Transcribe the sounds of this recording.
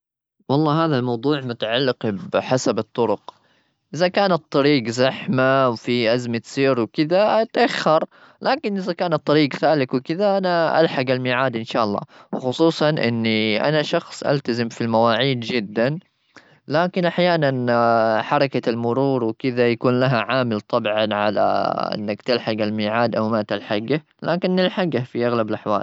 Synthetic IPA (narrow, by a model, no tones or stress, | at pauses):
wɑlˤːɑːɦaːðalmɑwd̪ˤuːʕmʊt̪aʕalːɪqbɪħasabɨt̪ˤːʊɾʊq | ʔɪzakaːnɑt̪ˤːɑɾiːɡzaħmawfiʔazmat̪siːɾwkɪðaat̪ʔaxːɑɾˤ | lʔaːkɪnʔɪðakaːnɑt̪ˤːɑɾiːɡθaːlɪkwɪkɪðaʔanaʔa̰lħaɡalmɪːʕaːd̪ʔɪnʃaːʔɑlˤːɑ̰ːwxʊsˤuːsˤɑnʔɪ̰nːiʔa̰naʃɑxsˤʔa̰lt̪azɪmfilmawaːʕiːd̪d͡ʒɪd̪ːan | laːkɪnʔaħjaːnanħɑɾˤɑkalmʊɾˤuːɾwɪkɪðajakuːnlaɦaʕaːmɪlt̪ˤɑbʕanʕa̰la̰ʔɪ̰nːakt̪ɪlħaɡalmiːʕaːd̪ʔawmaːt̪alħaɡa | laːkɪnːɪlħaɡafiʔaɣlabɪlʔaħwa̰ːl